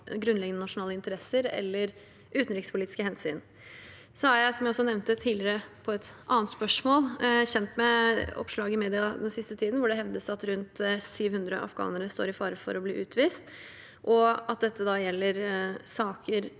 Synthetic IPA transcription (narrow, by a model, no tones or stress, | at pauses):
ɡɾʉnlɛɡənənɑʂʊnɑːləɪnt̪əɾɛsəɾɛ̰lːəɾ | ʔʉːt̪n̩ɾɪkspʊliːt̪ɪ̥skəhɛnsy̰ːn | sɔæɾjæɪsɔmjæɪɔsːɔnɛʋnt̪ət̪ʰiːlɪɾəpʰɔɛt̪ʔɑːənt̪spœʂmoːlçɛnt̪mɛɔ̰pʂɭɑːɡɪmeːd̪ɪɑd̪ɛnsɪst̪ət̪ʰiːd̪n̩ʋʊɖɛɦɛʋd̪əsɑt̪ɾʉnt̪syːʋhʉnd̪ɾəʔɑ̰fɡɑ̰ːnəɾəst̪o̰ːɾɪfɑːɾəfɔ̰ɾɔblḭːʔʉːt̪ʰʋiːst̪ | ʔɔɑt̪̚d̪ɛt̪ːəd̪ɑjɛlːəɾsɑːkʰəɾ